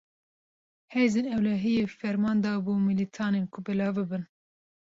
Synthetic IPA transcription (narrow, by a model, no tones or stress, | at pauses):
heːjzeːnɛwlɛɦijefɛɾmɑːnd̪ɑːbuːmilit̪ʰɑːnenkʰʊbɛlɑːvbɨbɨn